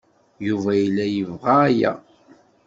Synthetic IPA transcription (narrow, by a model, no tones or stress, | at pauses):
juvæjəlːæjəvʁaːjæ̰